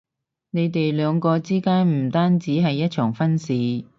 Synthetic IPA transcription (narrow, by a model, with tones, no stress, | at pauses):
ne˨˧jt̪e˨jlœː˨˧ŋkɔː˧t͡siː˥kaː˥nm̩˨˩t̪aː˥nt͡siː˨˥ɦɐ˨jːɐ˥t̚t͡ʃʰœː˨˩ŋfɐ˥nsiː˨˧